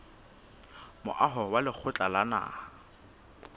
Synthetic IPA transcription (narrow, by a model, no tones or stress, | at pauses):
mʊ̰ʔaɦɔwalɪk͡xʰʊt͡ɬʼalana̰ːha